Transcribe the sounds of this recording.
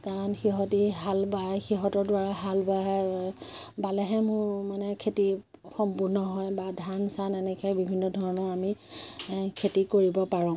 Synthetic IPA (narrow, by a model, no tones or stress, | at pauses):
kaɹɔnxiɦɔtiɦalbaxiɦɔtɔɹdwaɹaɦalbaɦɛ | balɛɦɛmʊɹmanɛkʰeti | xɔmpuɹnɔɦɔjbadʱansanɛnɛkʰɛbibʱinːɔdʱɔɹɔnɔɹami | kʰetikoɹibɔpaɹɔ̃